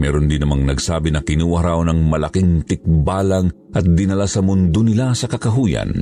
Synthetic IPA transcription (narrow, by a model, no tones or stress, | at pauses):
mɛːɾond̪inɐmaŋnɐɡsaːbɪnɐkɪnuwɐɾawnɐŋmɐlɐkiŋt̪ɪk̚baːlɐŋ | ʔɐt̪̚d̪ɪnɐlasɐmʊnd̪onɪlasɐkɐkɐɦuːjɐ̰n